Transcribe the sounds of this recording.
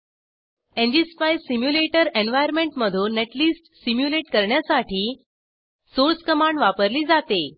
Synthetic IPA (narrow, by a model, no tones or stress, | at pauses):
ẽnd͡ʑispajsimjuleʈəɾenʋajəɾmẽɳʈməd̪ʱuːneʈliːsʈsimjuleʈkəɾɳjasaʈiː | soɾt͡skəmaɳɖʋapəɾliːd͡zat̪e